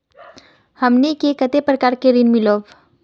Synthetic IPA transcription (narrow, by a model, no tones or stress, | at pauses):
həmnikekət̪epɾəkaːɾkeɾinmɪloːb